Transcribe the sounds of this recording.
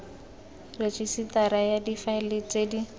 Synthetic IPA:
ret͡ʃʼisit̪aɾajadifaɪlet͡sʼedi

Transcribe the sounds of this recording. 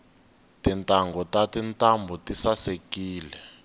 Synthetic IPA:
tintʼaŋɡɔtatintʼambʱɔtisasekiːlɛ

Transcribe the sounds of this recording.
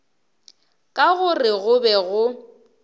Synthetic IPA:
kʼaɣʊrɪɣʊbɛɣʊ

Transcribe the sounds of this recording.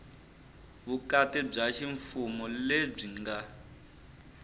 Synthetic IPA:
βukatɛb͡ʐaʃiɱfumɔleb͡ʐiŋɡa

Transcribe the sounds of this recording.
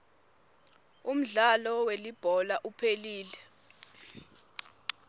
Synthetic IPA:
um̩ɮalɔwelib̥ʱɔlaʔupʰeliːlɛ

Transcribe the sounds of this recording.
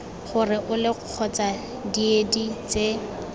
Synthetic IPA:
χʊrɪʔʊlɪq͡χʰɔt͡sa | diedit͡se

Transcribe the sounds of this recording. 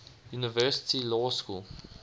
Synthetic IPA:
junivɜːsɪ̥tʰilɔːskṵlˠ

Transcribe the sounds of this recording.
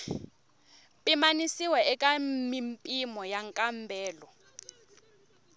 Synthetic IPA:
pʼimanisiwɛɛkʼamimpʼimɔjaŋkʼambʱɛːlɔ

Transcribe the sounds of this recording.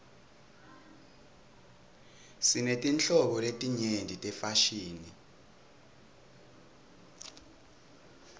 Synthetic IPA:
sinetʼint͡ɬʼɔɓɔletʼiɲendʱitʼɛfaʃiːni

